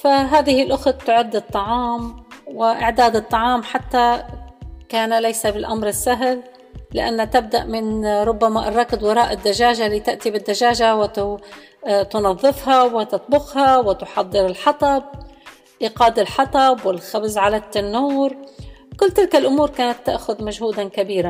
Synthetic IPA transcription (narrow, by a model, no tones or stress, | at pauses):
faɦaːðɪhɪlʔʊxt̪ːʊʕɪd̪ːɨt̪ˤːɑʕɑːmwɪʔɪʕd̪aːd̪ɨt̪ˤːɑʕɑːmħat̪ːa | kaːnalajsabɪlʔamɾɪsːaɦlː | ɪ̰ʔa̰nːat̪ɪb̚d̪aʔmɪnɾˤʊbːamaʔrˤːɑːkɪd̪wɑɾˤɑːʔɪd̪ːaʒaːʒaliːt̪ɪʔt̪ibɪd̪ːaʒaːʒawɪt̪ | t̪ʊnɑðˤːɨfhawɪt̪ɑt̪̚ˤbʊxhawɪt̪ʊħɑd̪ˤːɨɾɪlħɑt̪ˤɑb̚ | ʔiqɑːd̪ɪlħɑt̪ˤɑbwɪlxabzʕalat̪ɪnːuːɾkʊlːt̪ɪlkalʔʊmuːɾkaːnat̪ːa̰ʔxʊðmaʒhuːd̪ankabiːɾa